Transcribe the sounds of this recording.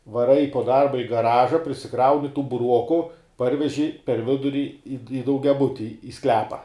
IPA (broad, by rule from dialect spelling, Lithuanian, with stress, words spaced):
ʋɐˈrɐɪ poː ˈdɐrbɐ ɪ ɡɐˈrɑːʒɐ pʲrʲɪsʲɪˈkrɐʊnʲɪ tuː bʊˈruɔkʊ ˈpɐrʲʋʲɛʒʲɪ pʲɛr ˈʋʲɪdʊrʲɪ ɪ dɐʊɡʲɛˈbʊtʲɪ ɪ ˈsklʲæːpɐ